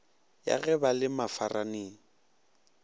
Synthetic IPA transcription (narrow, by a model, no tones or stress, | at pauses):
ja̰ɣɛbalɪmafarʔaneːŋ̩